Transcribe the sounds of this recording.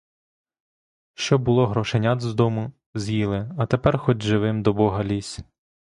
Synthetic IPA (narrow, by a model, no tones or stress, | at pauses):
ʃt͡ʃɔbʊlˠɔɦɾɔʃenʲad̪zd̪ɔmʊ | zʲjilˠɪɐt̪epɛrxɔdʲʒɪʋɪmd̪ɔbɔɦɐlʲisʲ